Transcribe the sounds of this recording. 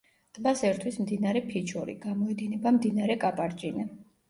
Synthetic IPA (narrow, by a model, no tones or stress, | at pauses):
dt̪ʼbasɛɾt̪ʰwismd̪inaɾɛpʰit͡ʃʰɔɾḭɡamɔɛd̪inɛbamd̪inaɾɛkʼapʼaɾt͡ʃʼinɛ